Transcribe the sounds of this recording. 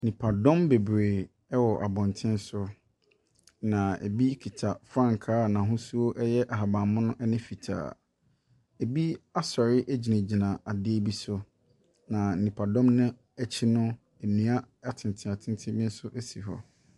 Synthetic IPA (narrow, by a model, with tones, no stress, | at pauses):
nĩ˨pʰa˨dɔ̃˦mbe˨bɾe˨ | ɛ˦wɔ˨ʔa˨bɔ̃˨ntʰɪ̃˦n˦sʊ˦ | nã˨ḛ˨bi˦kʰi˨tʰa˨fɾã˦ŋkʰaː˦˨nã˨ɦʊ̃˦su˦o˦ʔɛ˦jɛ˦ʔa˨ɦa˨bã˨mʊ̃˦nʊ̃˦ʔɛ˦nɪ̃˦fi˨tʰa̰ː˨ | e˨bi˦a˦sɔ˨ɾɪ˦ʔæ˦d͡ʑi˨nã˨d͡ʑi˨nã˨a˨dɪ˦e˦bi˦sʊ˦ | nã˨n̩˨nĩ˨pʰa˨dɔ̃˦mnʊ̃˦ | ɛ˦t͡ɕʰɪ˦nʊ̃˦ | e˨nĩ˨˦a˦ | a˨tʰɪ̃˨n˨tʰɪ̃˨a˨tʰɪ̃˦n˦tʰɪ̃˦bĩ˦n̩˦sʊ˦ʔæ˦si˨ɦɔ̰˦